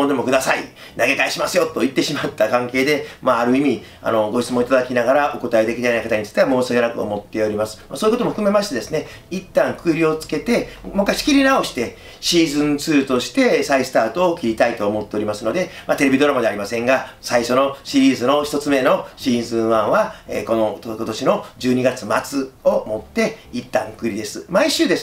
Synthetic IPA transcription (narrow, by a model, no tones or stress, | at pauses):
ond̪emo̞kɯ̟d̪asai | naɡe̞kaiɕimasɨjo̞t̪ːo̞it̪ːe̞ɕimat̪ːakãŋke̞ːd̪e̞maːɾɯ̟imʲi | a̰no̞ɡo̞ɕi̥t͡sɨmõit̪ad̪akʲinaɡaɾaʔo̞ko̞t̪aed̪e̞kʲid̪ejnaikat̪aɲ̟itt͡so̥t̪ːe̞amo̞ːsɨɡenakɯ̟o̰mo̞t̪ːe̞o̞ɾʲimasɨ̥masoːiɯko̞t̪omo̞ɸɯ̟̥kɯme̞maɕi̥t̪e̞d̪e̞sɨne̞ | it̪ːãŋkɯ̟ɾʲio̞t͡sɨ̥ke̞t̪e̞mokːaɕi̥kʲiɾʲinao̞ɕi̥t̪e̞ | ɕiːzɨ̃nt͡sɨːt̪o̞ɕi̥t̪e̞saisɨ̥t̪aːt̪o̞ːkʲiɾʲit̪ait̪o̞ːmo̞t̪ːe̞o̞ɾʲimasɨno̞d̪e̞mat̪ee̞bʲid̪o̞ɾamad̪e̞aɾʲimasẽ̞ŋɡasaiɕo̞no̞ɕiɾʲiːzɨno̞çi̥t̪ot͡sɨme̞no̞ɕiːzɨ̃ɰ̃βãɰ̃βaḛko̞nooko̞t̪o̞ɕino̞d͡ʑɨːɲ̟iɡat͡sɨmat͡sɨo̞mo̞t̪ːe̞it̪ːã̰ŋkɯ̟ɾid̪e̞sɨmaiɕɨːd̪es